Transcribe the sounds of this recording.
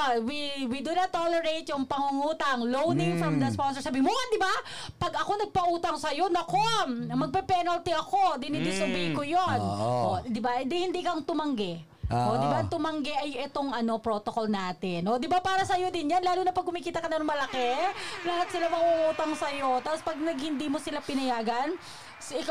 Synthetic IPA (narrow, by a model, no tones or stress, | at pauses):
wiwid̪ʊnɐt̪ːolɛɹejt̪jʊŋpɐŋuŋuːt̪ɐŋlownɪŋfɹɐmd̪ɐsponsɛsabiːmʊmand̪ɪba | pɐɡɐko̞nɐɡ̚pɐʔuːt̪ɐŋsɐjo̞nɐkommɐɡ̚pɛpɛnɐlt̪iʔɐko̞d̪ɪnɪd̪ɪsɐbikojonod̪ɪbaɪnd̪ɪhɪnd̪iːkɐɐŋt̪ʊmɐŋɡɛ | ʔʔoɪbaʔɐŋt̪ʊmɐŋɡɛʔɐjʔɛt̪oŋɐno̞pɾot̪oko̞lnaːt̪ɪnʔod̪ɪbapaːɾɐsɐjo̞d̪ɪnjanlaːluːnɐpɐɡ̚kʊmiːkiːt̪ɐkɐnɐnoŋmɐlɐkɛlɐɦat̪sɪlamɐɡuʔuːt̪ɐŋsɐjo̞t̪aːpospɐɡ̚nɐɡhɪnd̪iːmosɪlapɪnɐjaːɡɐn | sɪk